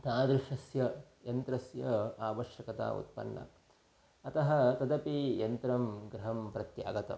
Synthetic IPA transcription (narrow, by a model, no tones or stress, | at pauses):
t̪aːd̪ɾɪʂɐsjɐjɐnt̪ɾɐsjɐaːʋɐʃjɐkɐt̪a̰ːṵt̪̚pɐ̰nːɐ̰ | ɐt̪ɐɦɐt̪ɐd̪ɐpijɐnt̪ɾɐmɡɾɐɦɐmpɾɐt̪ja̰ːɡɐt̪ɐ̰